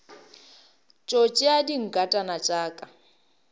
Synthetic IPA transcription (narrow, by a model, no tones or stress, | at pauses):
t͡ʃʼot͡ʃʼɪadiŋ̩kʼatʼanat͡ʃʼaːkʼa